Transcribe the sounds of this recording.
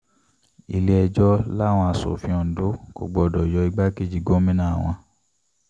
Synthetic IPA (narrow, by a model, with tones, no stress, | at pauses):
ḭ˨le˦ɛ˧d͡ʒɔ˦la˦˨w̃ɔ̃˧a˧so̰˨fĩ˧˦ɔ̃˧˨n̩˨do˦ko̰˨ɡ͡bɔ˧˨dɔ˨jɔ˧i˧ɡ͡ba˦ke˦˨d͡ʒi˧ɡo˦mĩ˦nã˦˨w̃ɔ̃˧